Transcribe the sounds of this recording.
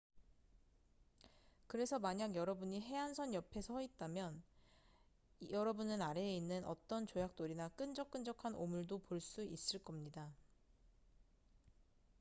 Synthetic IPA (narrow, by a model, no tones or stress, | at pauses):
kɯɾe̞sʰʌmaɲaɡjʌɾʌbuɲiɦe̞ɦansʰʌnjʌpʰe̞sʰʌit̚t͈amjʌn | jʌɾʌbunɯnaɾe̞inːɯnʔʌ̰t͈ʌnt͡ɕojak̚t͈oɾinak͈ɯnd͡ʑʌk͈ɯnd͡ʑʌkʰanomuɭdopoɭs͈uʔis͈ɯɭk͈ʌmɲida